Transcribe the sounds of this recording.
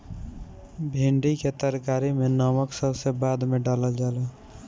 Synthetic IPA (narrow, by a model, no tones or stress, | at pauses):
bʱiɳɖiket̪əɾkaːɾimenəməksəbsebad̪meɖaləld͡ʒalɛ